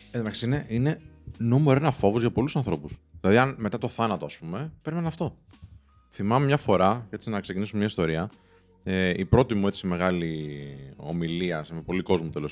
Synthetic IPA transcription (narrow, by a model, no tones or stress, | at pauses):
eðmɐç̥sineʔine̞nomeɾoenɐfo̞vozʝɐpo̞lusɐnθɾo̞pusðilɐðiɐnme̞t̪ɐt̪o̞θɐnɐt̪o̞ɐspume̞pe̞ɾimenɐɐft̪o̞ | θimɐmemɲɐfo̞ɾɐcet͡sinɐkse̞cinisumemɲɐist̪o̞ɾiɐ | eipɾo̞t̪imue̞t͡sime̞ɣɐli | o̞̰miliɐsmepo̞liko̞zmut̪elo